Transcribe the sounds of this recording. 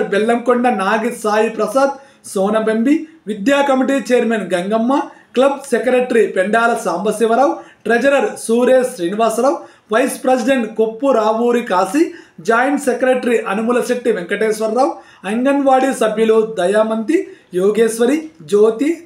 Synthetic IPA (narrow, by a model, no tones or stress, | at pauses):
ɾbɛlːɐmkoɳɖɐnaːɡisaːjipɾɐsaːd̪ | soːnɐbɐmbiʋid̪jaːkɐmiʈiːt͡ʃejɐɾmenɡɐŋɡɐmːɐklɐb̚sekɐɾeʈɾipɛɳɖaːlɐsaːmbɐsiʋɐɾaːwʈɾed͡ʒɐɾɐɾsuːɾeːsɾiːniʋaːsɾaːw | ʋɐjspɾɐsiɖeɳʈkopːuɾaːʋuːɾikaːsid͡ʒaːjɐɳʈsekɾeʈɐɾiʔɐnumulɐseʈːiʋeŋkɐʈeːsʋɐɾːaːw | ɐŋɡɐnʋaːɽisɐbjɐlud̪ɐjaːmɐnt̪ijoːɡeːsʋɐɾid͡ʒoːt̪i